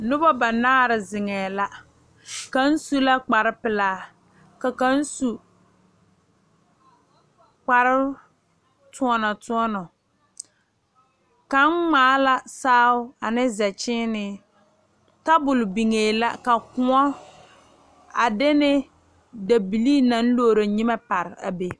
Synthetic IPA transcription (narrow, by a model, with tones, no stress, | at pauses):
nʊ˦ba˦ba˨naː˦ɾɪ˨zɪ˨ŋɛː˨la˦ | ka˨˦n̩˦su˦la˦k͡pa˨ɾɪ˦pɪ˨laː˨˦ | ka˨ka˦n̩˦su˨ | k͡pa˨ɾɪ˦ | tʰʊ˦ɔ˦nɔ˨tʊ˦ɔ˦nɔ˨ | ka˨˦ŋmaː˨˦la˦saː˦ʊ˦a˨nɪ˦zɛ˨t͡ʃɪ˦nɪ˦ | ta˦bʊ˨lʊ˨bi˨ŋeː˨la̰˦ka˨kʊ˦ɔ˦ | a˨de˦nɪ˦ | da˨bi˨liː˦na˨˦n̩˦loː˦˨ɾo˨ɲɪ˦mɛ˦pa˨ɾɪ˨a̰˨be˨